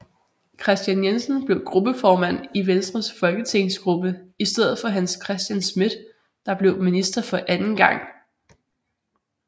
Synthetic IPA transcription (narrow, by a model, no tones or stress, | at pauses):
kʰʁɛsd̥jænjensn̩b̥le̝ʊɡ̥ʁub̥əfɒːmæn̰iʋensd̥ʁɐsfɒ̽lɡ̥ət͡sʰe̝ŋsɡ̥ʁub̥əisd̥eð̞̰ˠð̩ˠfɒ̽ɦænskʰʁɛsd̥jænsmid̥ | d̥ɑ̈b̥le̝ʊminisd̥ɐfɒ̽ʔænn̩ɡ̥ɑ̈ŋ̰